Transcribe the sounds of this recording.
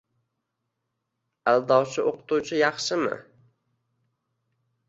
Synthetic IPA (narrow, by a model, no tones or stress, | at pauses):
alˠd̪ɒwt͡ʃʰɪʔoqʊ̥t̪ut͡ʃʰɪjɑχʃɪmɪ̰